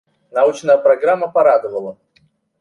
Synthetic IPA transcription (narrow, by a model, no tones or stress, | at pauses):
naut͡ʃnəjəpɾɐɡɾamːəpaɾad̪ɨvəlˠə